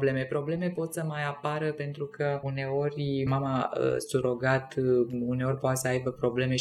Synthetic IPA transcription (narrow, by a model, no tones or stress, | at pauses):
ble̞me̞pɾo̞ble̞me̞po̞t̪səmajapaɾəpe̞nt̪ɾukʰəune̞o̞rʲmamaə̰suɾo̞ɡat̪une̞o̞rʲpoat̪səajbəpɾo̞ble̞me̞